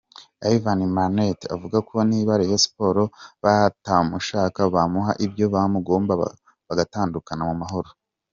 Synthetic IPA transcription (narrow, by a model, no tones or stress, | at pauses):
aivanimaɾneta̰vuɡako̞niβaɾihesi̥po̞ɾo̞βatamuʃaːkaβamuɦa̰ʔibjo̞βamuɡo̞ːmba̰ | βaɡataːndukanamumaɦo̞ɾo